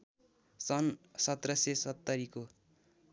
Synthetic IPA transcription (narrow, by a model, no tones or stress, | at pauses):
sʌnsʌt̪rʌsesʌt̪ːʌɾiko